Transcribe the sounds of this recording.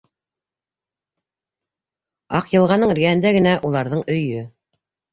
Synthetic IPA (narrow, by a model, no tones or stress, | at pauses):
ɑqjɤ̆lˠʁɑnːɤɴɘ̆ɾɡæhɘ̆nd̪æɡɘ̆næʔulˠɑɾðɤɴɵ̆jɵ